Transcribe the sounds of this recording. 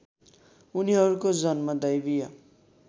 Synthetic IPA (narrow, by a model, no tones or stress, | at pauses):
uniɦʌɾukod͡zʌnmʌd̪ʌjbijʌ